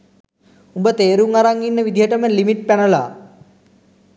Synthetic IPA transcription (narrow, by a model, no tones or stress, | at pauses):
umbət̪eːɾuŋaɾaŋːinːəʋid̪ʱiɦəʈəməlimiʈ̚pænəla̰ː